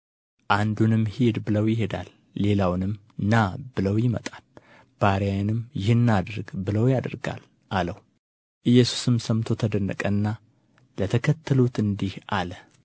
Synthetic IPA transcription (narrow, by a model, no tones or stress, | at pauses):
ʔand̪unɨmhed̪bɨləwjɪɦe̞d̪a̰lː | e̞lawnɨm | ɨnːabɨləwjɪmə̰t̪ʼal | b̥aɾjajnɨmjɪhɨnːad̪ɾɡbɨləwjad̪ɾɡa̰l | ʔaləh | ʔɨjːɛsu̥sɨmsəmt̪ʰo̞t̪ʰəd̪ənːə̰kʼənːa | lət̪ʰəkʰət̪ʰːəlut̪ɨnd̪ihalə